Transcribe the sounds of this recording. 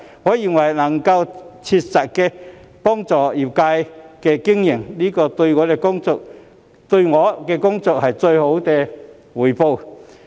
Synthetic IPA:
ŋɔː˨˧˥ji˧ŋwɐ˨˩jnɐ˨˩ŋkɐ˧wt͡sʰi˧t̚sɐ˨t̚kɛ˧ | pɔː˥ŋt͡sɔː˨i˨˩p̚kaː˧jkɛː˧kɪ˥ŋjɪ˨˩ŋliː˥kɔː˧t̪ɵ˧ŋɔː˨˧ɾɛ˧kʊ˥ŋt͡sʊ˨k̚ | t̪ɵ˧ɥŋɔː˨˧˦kɛ˧kʊ˥ŋt͡sʊ˨k̚hɐ˨jt͡sɵ˧ɥho˨˥wkɛ˧ | wu˨˩jpo˧w

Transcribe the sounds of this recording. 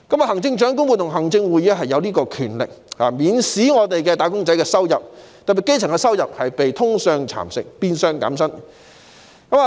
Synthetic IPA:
kɐ˨˥ma˨˧ɦɐ˨˩ŋt͡sɪ˧ŋt͡ʃœː˨˥ŋkʊ˥ŋwu˨˩t̪ʰʊ˨˩ŋɦɐ˨˩ŋt͡sɪ˧ŋwuː˨˧jiː˨˥ɦɐ˨jːɐ˨˧wliː˥kɔː˧kʰyː˨˩nlɪ̰˨k̚haː˨miː˨˧nsiː˨˥ŋɔː˨˧t̪e˨jkɛː˧t̪aː˨˧kʊ˥ŋt͡sɐ˨˥jkɛː˧sɐ˥wjɐ˨p̚ | t̪ɐ˨pːi˨˩ke˥jt͡sʰɪ˨˩ŋkɛ˧sɐ˥wjɐ˨p̚hɐ˨jpe˨jt̪ʰʊ˥ŋsœː˨˧ŋt͡sʰa̰ː˨˩msɪ̰˨k̚piː˧nsœː˧ŋka̰ː˨˥msɐ˥n | kɐ˨˧˥maː˨

